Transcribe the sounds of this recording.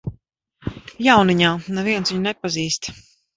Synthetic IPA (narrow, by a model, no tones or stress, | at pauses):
jawniɲaːnɛviɛnsviɲnɛpaziːst̪